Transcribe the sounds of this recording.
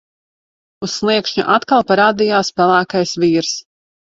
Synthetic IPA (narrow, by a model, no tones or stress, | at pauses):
usːlˠiɛkʃɲṵʔat̪kalˠpaɾaːd̪ijaːspælˠaːkajsviːɾs